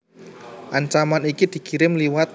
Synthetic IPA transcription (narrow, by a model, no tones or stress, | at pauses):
ʔaɲt͡ʃamanikid̪̥i̤kiɾɪmliwat̪̚